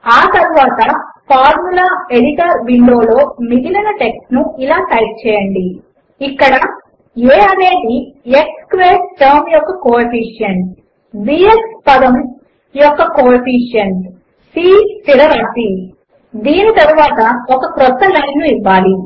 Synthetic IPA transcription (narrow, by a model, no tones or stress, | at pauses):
aːt̪ɐɾuʋaːt̪ɐpʰaːɾmulaːeɽiʈɐɾʋiɳɖo̞ːlo̞ːmiɡ̪ilɐnɐʈe̞ksʈnuilaːʈɐjʈ̚t͡ʃɛːjɐɳɖi | ikːɐɽɐ | eːɐne̞ːɳɖiekskʋeːsʈɐɾmjɔkːɐkoːɐpiːʂjɐn | biekspɐd̪ɐm | jɔkːɐkoːɐpiːʂjɐn | siːt̪iɾɐɾɐːpi | d̪iːnit̪ɐɾuʋaːt̪ɐɔkɐkɾɔt̪ːɐlɐjnnuiʋːaːli